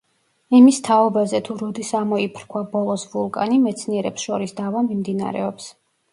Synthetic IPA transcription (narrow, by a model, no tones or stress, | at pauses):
imist̪ʰaɔbazɛt̪ʰuɾɔd̪isamɔipʰɾkʰwabɔlˠɔsvulˠkʼa̰nimɛt̪sʰniɛɾɛpsʃɔɾisd̪avamimd̪ina̰ɾɛ̰ɔps